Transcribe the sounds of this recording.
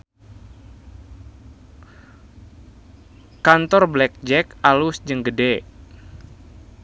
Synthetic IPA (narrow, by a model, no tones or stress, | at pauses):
kant̪ɔrblɛk̚d͡ʒɛkalusd͡ʒəŋɡəde